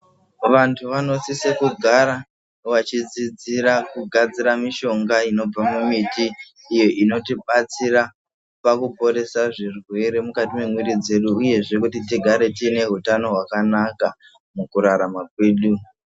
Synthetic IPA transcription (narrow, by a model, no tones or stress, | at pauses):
ʋantʰuʋano̞sisekuɡʱaɾa | ʋat͡ʃid͡zid͡ziɾakuɡʱad͡ziɾamiʃo̞ŋɡaino̞b͡vamumitiː | jo̞ʔino̞tiɓat͡siɾa | pakupo̞ɾe̞saʐirwe̞ɾe̞mukatime̞mwirid͡ze̞ɗuuje̞ʐe̞kutitiɡʱaɾe̞tine̞ɦutano̞ɦwakanaka | mukuɾaɾamakwe̞ːɗu